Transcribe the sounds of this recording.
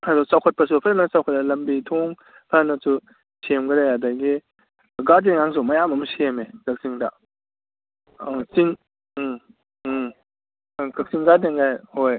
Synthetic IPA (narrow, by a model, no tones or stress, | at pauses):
hadɔsawkʰɐt̚pɐsupʰaɾanɐsawkʰɐt̚ɐlɐmbitʰɔŋ | pʰanɐsu | sʰemɡɐdajadaɡi | ɡad̬eŋaŋs̬umɐjamɐmsemekɐk̚siŋda̰ | siŋ | kʰɐk̚siŋɡadeŋɡajhoj